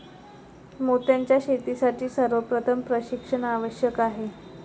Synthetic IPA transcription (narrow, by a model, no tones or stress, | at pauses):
mot̪jaɲt͡ɕjaɕet̪isaʈʰiːsəɾʋəpɾət̪ʰəmpɾəɕikʂəɳaʋəɕjəkaɦe